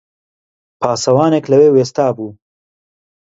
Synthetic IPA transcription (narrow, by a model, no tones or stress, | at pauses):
pʰɑːsɐwɑːneklɐweːweːst̪ɑːbuː